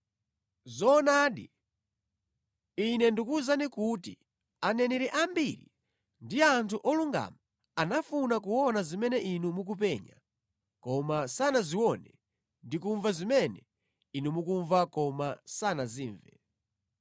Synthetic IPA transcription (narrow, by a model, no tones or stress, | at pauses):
zɔːnaɗi | inɛndikuzanikuti | anɛnɛɾiʔambiɾḭ | ndiantʰuʔɔluŋɡa̰ma | anafunakuwɔnazimɛnɛʔinumuk̬upɛɲa̰ | kɔmasanaziwɔnɛ | ndikuɱvazimɛnɛ | inumukuɱvakɔmasanaziːɱvɛ̰